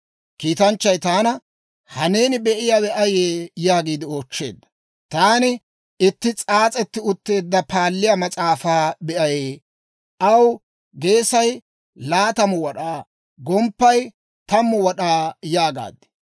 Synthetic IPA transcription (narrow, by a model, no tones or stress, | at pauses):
kiːt̪ɐnt͡ʃːɐjt̪aːnɐ | hɐne̞ːnɪbɛʔɪjaːwɛʔɐjeːjaːɡiːd̪ɪo̞ːt͡ʃːe̞̰ːd̪ːɐ̥ | t̪aːnɪ | ɪt̪ːɪt͡sʼaːt͡sʼɛt̪ːɪʊt̪ːe̞ːd̪ːɐpaːlːɪjamɐt͡sʼaːfaːbɛʔɐjeː | ʔɐw | ɡe̞ːsɐj | laːt̪ɐmʊwɔɗaː | ɡɔmpːɐj | t̪ɐmːʊwɔɗaːjaːɡa̰ːd̪ːɪ̥